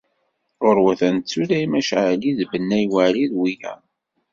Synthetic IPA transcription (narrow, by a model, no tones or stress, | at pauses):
ʊɾwæθænt͡sːuɾæimæʃʕəliðbənːæjwæɾiðwijæ̰